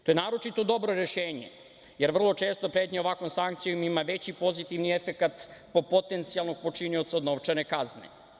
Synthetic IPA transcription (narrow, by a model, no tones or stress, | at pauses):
t̪ojenaːɾo̞t͡ʃit̪o̞d̪o̞bɾo̞ɾeʃeːɲḛ | jeɾʋr̩lˠo̞t͡ʃe̞ːst̪o̞pɾet̪ɲeoʋakomsaŋkt̪sijomimaʋe̞t͡ɕipo̞zit̪iʋniefekat̪popo̞t̪e̞nt̪sialˠno̞ɡ̚po̞t͡ʃinio̞t̪saod̪noʋt͡ʂanekaznḛ